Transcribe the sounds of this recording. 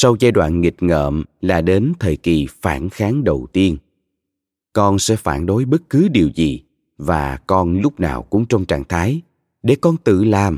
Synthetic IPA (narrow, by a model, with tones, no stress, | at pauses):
sa˧wzaː˧jɗwa̰ː˧˨nŋi˨˩t̚ŋə̰ː˧˨mlaː˨˩ɗe˨˦nt̪ʰəː˨˩jki˨˩faː˧˩nxaː˨˦ŋɗə˨˩wt̪i˧ən | kɔ˧nsɛ̰˧˥faː˧˩nɗo˨˦jɓə˦˥t̚kɨ˨˦ɗi˨˩əwzi˨˩ | vaː˨˩kɔ˧nlʊ˦˥k͡p̚na̰ː˨˩wkʊ̰˧˥ŋ͡mt͡ɕɔ˧wŋ͡mt͡ɕa̰ː˧˨ŋt̪ʰaː˨˦j | ɗe˧˩kɔ˧nt̪ɨ̰˧˨laː˨˩m